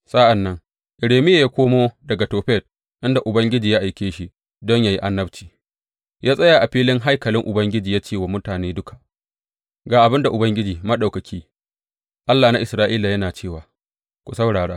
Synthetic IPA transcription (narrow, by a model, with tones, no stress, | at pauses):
sa˦ʔa˨nːɐ˦ŋ | ʔɪ˨ɽeː˨mɪ˦ja˨ja˦kʷoː˦moː˦dɐ˨ɡa˨toː˨ɸɛ˦˨t̚ | ʔɪ˦nda˨ʔʊ˨bɐ˦ŋɡʲɪ˦d͡ʒiː˨ja˦ʔa˨jkʲeː˦ʃi˦ | dɔ˦ɲja˨ji˦ʔa˦nːɐ˦bt͡ʃiː˨ | jaː˦sʼɐ˦ja˨ʔa˨ɸiː˦lɪ˦ŋɦa˦jkɐ˨lɪ˦ŋʔʊ˨bɐ˦ŋɡʲɪ˦d͡ʒiː˨jaː˦t͡ʃeː˦˨waː˨mʊ˦taː˨neː˦dʊ˦kʰḁ˨ʔ | ɡaː˨ʔa˨bɪ˦nda˨ʔʊ˨bɐ˦ŋɡʲɪ˦d͡ʒiː˨mɐ˦ɗa˨wkɐ˨kʲʰiː˦ | ʔa˦lːaː˨na˦ʔɪ˨sɾaː˦ʔiː˦la˨jɐ˦naː˨t͡ʃeː˦˨waː˨ | kʷu˨sɐ˦wɽaː˨ɽaː˦